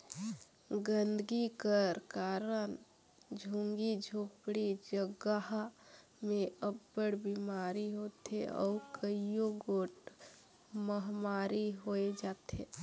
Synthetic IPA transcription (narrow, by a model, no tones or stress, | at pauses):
ɡənd̪ɡikəɾkaɾən | d͡ʒʱuŋɡid͡ʒʱoːkpɽid͡ʒəɡaɦ | mẽəbːəɽbimaɾiɦoːt̪ḛɔ̰ːkəijoɡoːʈ | məɦmaɾiɦoed͡ʒaːt̪e